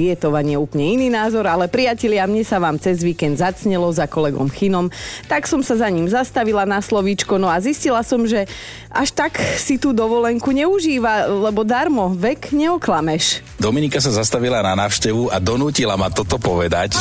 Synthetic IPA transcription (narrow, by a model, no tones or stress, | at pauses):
jɛt̪ɔʋaɲɪɛuːpɲɛiniːnaːzɔɾalɛpɾijacɛʎɪamɲɛsaʋaːmt͡sɛzʋiːkɛnd̪zat͡sɲɛlɔzakɔlɛɡɔ̰mxinɔmt̪aksɔmsazaɲiːmzast̪aʋilanaslɔʋit͡ʃkɔnɔaziscilasɔmʒɛ | ʔaʃt̪aksit̪uːd̪ɔʋɔlɛŋkuɲɛuʒiːʋalɛbɔd̪aɾmɔʋɛkɲɛɔklamɛʃ | d̪ɔminikas̬azast̪aʋilananaːʊʃcɛʋuad̪ɔnuːcilamat̪ɔt̪ɔpɔʋɛd̪a̰c